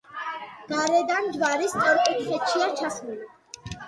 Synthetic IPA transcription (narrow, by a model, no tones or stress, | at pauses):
ɡ̥aɾɛd̪and͡ʒvaɾist̪ʼɛɾkʼut̪ʰχɛt̪ʃiat͡ʃʰasmili